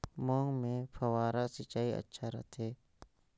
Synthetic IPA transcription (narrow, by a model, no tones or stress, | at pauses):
mɔ̃ːŋɡmẽpʰɐwaːɾasɪt͡ʃaːiɐ̰tːʃʰaɾɐ̰ɦt̪ʰeː